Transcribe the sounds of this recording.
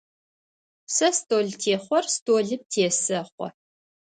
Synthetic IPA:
sɐstʼoːɮtʰeːχʷɔrstʰoːɮɨp̚tʰeːsɐχʷɔ̰

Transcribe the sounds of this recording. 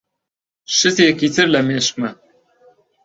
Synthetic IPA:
ʃɨsekiːt̪ʰɨɾlɐmeːʃkmɐ

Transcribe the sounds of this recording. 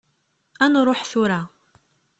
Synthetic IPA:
ænɾˤoħθʊɾa

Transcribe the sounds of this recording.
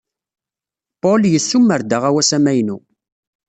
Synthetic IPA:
poljəsːumːəɾd̪əʁæwæsæmæjnu

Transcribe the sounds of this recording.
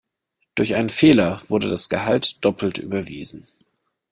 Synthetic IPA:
d̥ʊɐçʔaɪnənfeːlɐv̥ʊɐdədasɡ̥əhaltd̥ɔpʰl̩tʔy̰ːbɐvḭːzn̩

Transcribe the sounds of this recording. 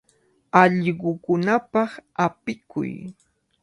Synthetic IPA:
ɑʎɢʊkʊnapɑχapɪkʰʊ̰j

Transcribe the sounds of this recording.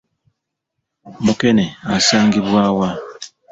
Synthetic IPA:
mukɛnɛasaŋɡiβwawa

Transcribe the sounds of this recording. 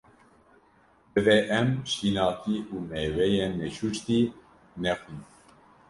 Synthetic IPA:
bɨvɛʔɛmʃinɑːt̪iʔuːmɛwɛjɛnːɛʃut͡ʃt̪i | nɛxin

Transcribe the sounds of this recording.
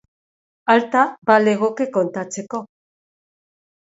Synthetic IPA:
alt̪abale̞ɣ̞okeko̞nt̪at͡se̞ko̞

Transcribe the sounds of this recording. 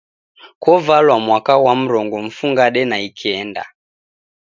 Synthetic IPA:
kwɔvalwamwakawam̩ɾɔŋɡɔm̩fuŋɡaɗɛnaikʰiɛnda̰

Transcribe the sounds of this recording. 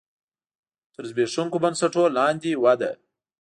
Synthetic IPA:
t̪əɾzbeʂuŋkobɐnsaʈolɑnd̪iwad̪a̰

